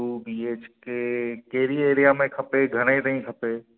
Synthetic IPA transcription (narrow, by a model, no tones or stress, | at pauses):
ubiːeːt͡ʃkekeɾieːɾijamẽkʰɐpeɡʱəñẽt̪əĩkʰəpe